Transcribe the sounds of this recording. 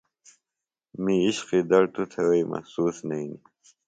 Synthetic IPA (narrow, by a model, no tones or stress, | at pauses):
miiɕqid̪ɐɽt̪ut̪ʰeweimʔɐ̰hsuːsnɐini